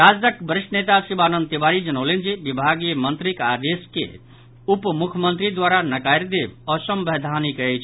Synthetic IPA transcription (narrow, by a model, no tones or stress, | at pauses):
ɾad͡ʒd̪əkbəɾiʃʈənet̪asibanənd̪t̪ibaɾid͡ʒənəʊlend͡ʒibibʱaɡijəmənt̪ɾikaɾeskḛ | upmukʰjmənt̪ɾid̪waɾanəkajɾd̪ebɔsəmbɛɦd̪ʱanikəɛt͡ʃʰ